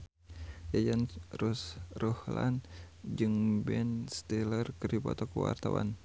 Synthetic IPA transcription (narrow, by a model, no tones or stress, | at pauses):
jajanrusrɔhla̰n | d͡ʒɨŋbɛnst̪ɛlərkəripɔ̰t̪ɔkuwa̰rt̪awa̰n